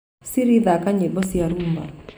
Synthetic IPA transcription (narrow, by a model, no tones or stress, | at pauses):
siɾiðakaɲebɔsiaɾumba̰